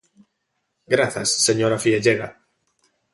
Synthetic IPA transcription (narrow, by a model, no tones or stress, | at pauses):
ɡɾaθasːeɲoɾafieʎeɣa